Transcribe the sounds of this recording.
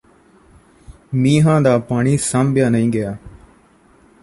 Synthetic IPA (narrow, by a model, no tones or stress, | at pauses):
miːɦãːd̪aːpaːɳiːsãːmbʱjaːnəɦĩːɡɪjaː